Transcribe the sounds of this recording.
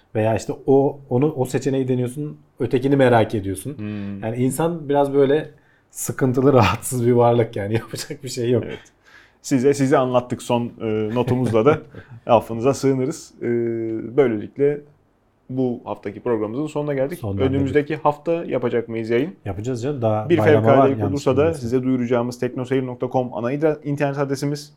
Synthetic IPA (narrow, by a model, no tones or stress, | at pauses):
ve̞jaːiʃt̪ʰɛoonuʔose̞t͡ʃʰe̞nejid̪enijo̞sun | ø̞t̪ʰe̞cinimeɾaːcʰe̞d̪ijo̞sunjaːniinsanbiɾazbø̞jlʲɛ | sɯkʰɯnt̪ʰɯlˠɯɾaɦat̪sɯzbivaɾlˠɯkjaːnijapʰad͡ʒak̚biʃe̞jːokɛ̰ɛ̰t̪ | sizɛsizɛanlˠat̪ʰːɯkso̞nɯːnːo̞t̪ʰumuzlad̪ahafɯnɯzasɯːnɯɾɯz̥ɯːbø̞jlʲelʲiclʲɛ | buhaft̪ʰacʰipɾo̞ɡɾamɯzɯnso̞nunaɟælʲd̪icnønymyzd̪ecihaft̪ʰaja̰pad͡ʒakmɯjɯzjajɯnjapad͡ʒazjand̪abiɾeɛɾkʰaɾd̪ʲeikolˠuɾsad̪asizɛd̪ujuɾud͡ʒaːɯmɯzt̪ʰɛcno̞seino̞k̚t̪ʰakʰo̞ma̰naid̪aint̪ʰæɾnɛt̪ʰad̪esimiz̥